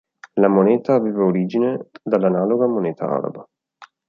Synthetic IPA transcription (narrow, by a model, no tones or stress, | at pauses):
lamoneːt̪aːveːvaoɾiːd͡ʒined̪alːanaːloɡamoneːt̪ʰa̰a̰ɾa̰ba